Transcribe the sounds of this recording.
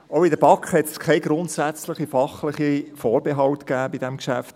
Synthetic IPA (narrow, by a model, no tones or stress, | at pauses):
oʊidəbɑkχhɛt̪skʰɛɪɡɾʊnt̪sæt͡slɪχifɑχlɪχifɔːɾbeɦɑwtkæːbidɛmkʃæft